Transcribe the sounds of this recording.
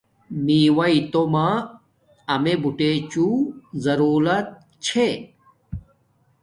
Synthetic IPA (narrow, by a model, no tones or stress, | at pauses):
miːwɐit̪oma | ɐmebuʈet͡ɕuzɐɾuːlɐt̪̚ | t͡ɕʰe